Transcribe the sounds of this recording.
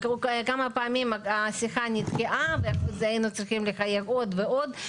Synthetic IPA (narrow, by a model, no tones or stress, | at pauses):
kkamɐpaːmʲimaasixanʲit̪kʲiʔaveakuzainut͡sɾiximlexajevo̞d̪veod̪